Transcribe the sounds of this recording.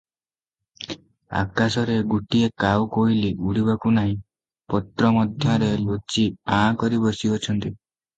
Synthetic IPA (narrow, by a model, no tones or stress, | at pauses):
a̰kasɔɾeɡuʈiekawkoɦiliʔuɽibakunaɦĩ | pɔt̪ɾɔmɔd̪ʱjɔɾelot͡ʃiãkɔɾibɔsiɔt͡ʃʰɔnt̪i